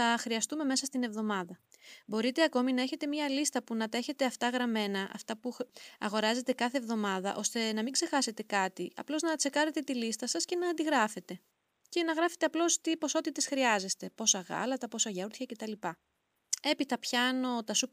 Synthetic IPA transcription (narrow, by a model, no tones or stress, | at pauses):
θɐxɾiɐst̪ume̞me̞sɐst̪ine̞vðo̞mɐðɐbo̞ɾit̪e̞ɐko̞minɐe̞çe̞t̪e̞mɲɐlist̪ɐpunɐt̪ɐeçe̞t̪e̞ɐft̪ɐɣɾɐme̞nɐʔɐ̰ft̪ɐpuɐ̰ɣo̞ɾɐze̞t̪e̞kɐθe̞vðo̞mɐðɐ̰ʔo̞st̪e̞nɐmiɡze̞xɐse̞t̪e̞kɐt̪iɐ̰plo̞znɐt͡se̞kɐɾe̞t̪e̞t̪ilist̪ɐsɐsce̞nɐːnd̪iɣɾɐfe̞t̪e̞ | ce̞nɐɣɾɐfe̞̥t̪e̞ɐplo̞st̪ipo̞so̞t̪it̪e̞sxɾiɐze̞st̪e̞po̞sɐɣɐ̰lɐt̪ɐpo̞sɐʝɐuɾtçɐce̞t̪ɐlipɐ | e̞pit̪ɐpçɐno̞t̪ɐsup